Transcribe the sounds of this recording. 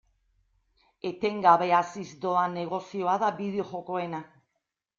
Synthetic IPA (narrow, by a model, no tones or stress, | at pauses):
et̪eŋɡaβeasizd̪oaneɣo̞sioaðaβið̞eoʝo̞koena